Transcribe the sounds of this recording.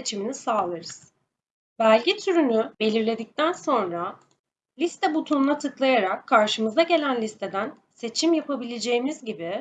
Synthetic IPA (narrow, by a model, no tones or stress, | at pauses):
et͡ʃʰiminisaːlˠɯɾɯz̥ | bælʲɟit̪ʰyɾynybe̞lʲiɾlʲe̞d̪ic̚t̪ʰænso̞nɾa | lʲist̪ʰɛbut̪ʰunlˠat̪ʰɯklˠajaɾakʰːaɾʃɯmɯzaɟe̞lʲænlʲist̪ʰe̞d̪æn | se̞t͡ʃʰimjapʰabilʲed͡ʒe̞jimizɟibi